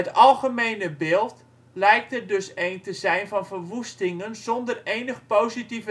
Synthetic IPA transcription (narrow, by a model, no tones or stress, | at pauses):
ətɑlˠχəmejnəbɪːlˠt | lɛjk̚tədɵsejntəzɛjnvɑnvərʋustɪŋənzɔndərejnəχpowzitivə